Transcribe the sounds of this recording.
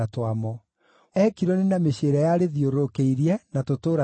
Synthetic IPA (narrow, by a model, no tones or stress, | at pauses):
atwamɔ | ɛkiɾɔnenameɕeɾajaɾeðioɾokeiɾiɛnatotoːɾa